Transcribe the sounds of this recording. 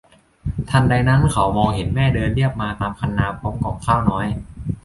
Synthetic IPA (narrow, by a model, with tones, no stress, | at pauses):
t̪ʰa˧˩nda˧jna˦˥nkʰa˩˦wmɔː˧ŋhe˩˦nmɛː˥˩dɤː˧nli˥˩əp̚maː˧t̪aː˧mkʰa˧nːaː˧pʰo˦˥mkɔː˧˩ŋkʰaː˥˩wnɔː˦˥j